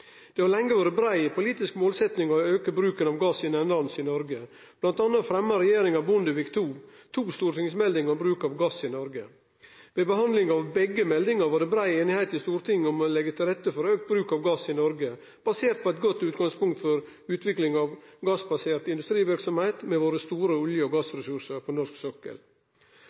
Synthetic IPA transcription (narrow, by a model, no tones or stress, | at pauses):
d̪̥ɛʋɑlɛŋːəʋɑːɾəbɾæɪpʰʊliːt̪ɪskmoːlsɛt̪nɪŋɔøːkəbɾʉːkənɑʋɡɑsɪnɛnlɑnsɪnɔɾɡə | b̥lɑnt̪ɑːnət̪fɾɛmːɑɾɛjeːɾɪŋɑʋbʊnd̪əʋɪkt̪ʰuːt̪ʰuːst̪uːɾʈ̪ɪŋsmɛld̪ɪŋɔbɾʉːkɑʋɡɑsɪnɔɾɡə | ʋeːbəɦɑnd̪lɪŋɑʋbɛɡəmɛld̪ɪŋəɾʋɑɖɛbɾæɪeːnɪhæɪt̪ɪst̪uːɾt̪ʰɪŋːɔmɔlɛɡət̪ʰɪlɾɛt̪ːəfɔɾøːk̚t̪̚bɾʉːkɑʋɡɑsɪnɔɾɡə | b̥ɑseːɾt̪̚pɔɛt̪̚ɡɔt̪ːʉːt̪ɡɑŋspʊŋkt̪fɔɾ | ʉːt̪ʋɪklɪŋɑʋɡɑsbɑseːɾt̪ɪnd̪ʉst̪ɾiːʋɪɾksɔmhæɪt̪mɛʋoːɾəst̪uːɾəʊljəɔɡɑsɾɛsʉʂəɾpʰɔnɔʂksøːkə̰l